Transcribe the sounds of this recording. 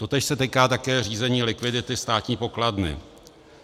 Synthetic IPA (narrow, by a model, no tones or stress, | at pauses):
t̪o̞t̪ɛːʃsɛt̪iːkaːt̪akɛːr̝iːzɛɲiːlɪkvɪdɪt̪ɪst̪aːt̪ɲiːpo̞kladnɪ̰